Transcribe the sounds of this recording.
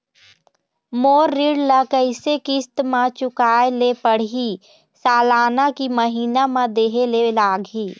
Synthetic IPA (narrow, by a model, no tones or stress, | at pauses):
moːɾːɪɽlakəɪsekɪst̪mãt͡ʃʊkaːelepəɽ̤i | saːlaːnakiməɦiːnamãd̪eːɦelelaːɡʱiː